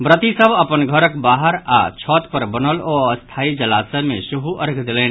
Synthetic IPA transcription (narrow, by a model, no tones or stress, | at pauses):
bɾət̪isəbɐpənɡʱəɾəkbaːɦəɾa̰t͡ʃʰɔːt̪pəɾbənəlɔːəst̪ʰaːid͡ʒɐlaːsɛmẽʃuɦuʔəɾkʰd̪ɪlẽː